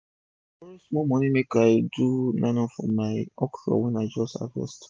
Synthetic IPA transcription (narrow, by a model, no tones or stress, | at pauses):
ismɔmɔ̃nĩmekaɪdunãnɔ̃fɔ̰̃mːaɪɔkʃɔ̰wɛ̃naɪd͡ʒɔsta̰vɔ̰st